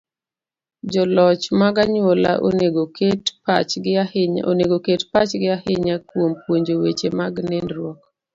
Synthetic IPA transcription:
d͡ʒɔlɔt͡ʃmaɡaɲwola̰ʔo̰neɡoketpat͡ʃɡao̰neɡoketpat͡ʃɡɪahɪɲakwompwoɲd͡ʒowet͡ʃemaɡnɛndɾwɔk̚

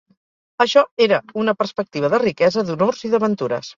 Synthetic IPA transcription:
əʃɔeɾəunəpəɾspək̚t̪iβ̞əðərikɛzəðunorziðəβənt̪uɾə̰s

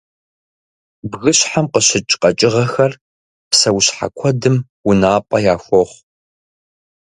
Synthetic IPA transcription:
bɣɨɕħamqəɕɪt͡ʃʼqʼɐt͡ʃʼɪʁɐxɐr | psɐwɕħa̰kʷʰɔdɨm | wʊnaːpʼɐjaːxʷɔχʷ

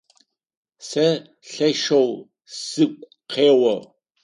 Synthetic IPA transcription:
sɐ | ɬɐʃɐw | sɨkʷʼ | qʰeːwɐ

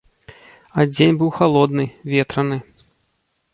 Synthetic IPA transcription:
ad͡zʲenʲbɨwxalˠɔd̪nɨvʲɛt̪ɾɐnɨ

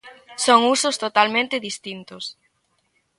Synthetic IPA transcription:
soŋusʊst̪ot̪almẽnt̪ɪðist̪int̪ʊs

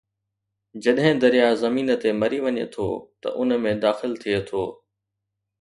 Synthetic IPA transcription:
d͡ʑɐɗɦɪ̃d̪ɐɾijazɐmiːnət̪emɐɾiʋɐɲḛt̪ʰo̰ːt̪ɐ̰ʔʊnmẽd̪aːxɪlt̪ʰiet̪ʰoː

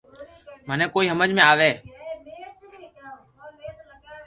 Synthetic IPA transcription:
mənẽːkoːiːɦəməd͡ʒʱmẽaːʋeː

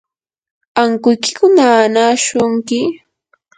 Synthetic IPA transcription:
aŋkʊjkɪ̥kʊnanaʃʊŋkɪ

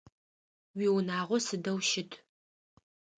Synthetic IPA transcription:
wiːwnaːʁʷɔsɨdɐwʃɪtʰ

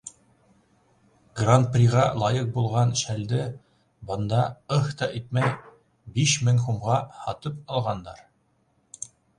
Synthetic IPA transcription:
ɡrant̪̚prʲiʁɑlˠɑjɤq̚bulˠʁɑnʃæld̪ɘ | bɤ̆nd̪ɑɤht̪ɑʔit̪̚mæj | biʃmɘ̆ŋχumʁɑhɑt̪ɤp̚ɑlˠʁɑnd̪ɑɾ

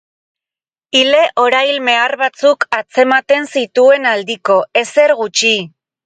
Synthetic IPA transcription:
ile̞ʔo̞ɾajlme̞arβat͡sukat͡se̞mat̪e̞nsit̪ue̞nald̪iko̞e̞se̞ɾɣut͡ʃi

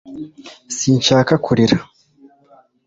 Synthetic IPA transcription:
siːɲt͡ʃaːkakʰuɾiɾa

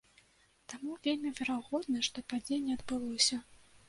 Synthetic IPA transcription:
t̪amuvʲelʲmʲivʲɛɾaɣɔd̪nɨʂt̪ɔpad͡zʲenʲːɛɐd̪bɨlˠɔsʲɐ

